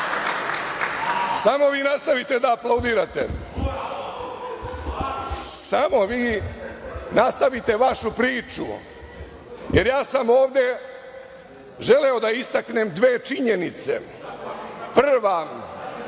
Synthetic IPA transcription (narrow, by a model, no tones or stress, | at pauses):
samo̞ʋiːnast̪aʋit̪e̞d̪aːplˠaud̪iːɾat̪ḛ | samo̞ʋiː | nast̪aʋit̪e̞ʋaʃupɾiːt͡ʃṵ | jeɾjaːsamo̞ːʋd̪e̞ | ʒe̞leo̞d̪aist̪aknemd̪ʋeːt͡ʃiɲenit̪sḛ | pr̩ʋa